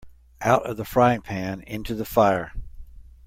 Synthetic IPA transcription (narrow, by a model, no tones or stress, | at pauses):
ʔaʊɾʌ̰vðəfɹaɪɪ̃ŋpʰæ̃nɪ̃ntʰʉðəfaɪə˞